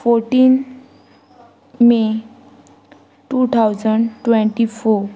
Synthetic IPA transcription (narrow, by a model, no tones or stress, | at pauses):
pʰoɾʈin | me | ʈut̪ʰawd͡zəɳʈweɳʈipʰo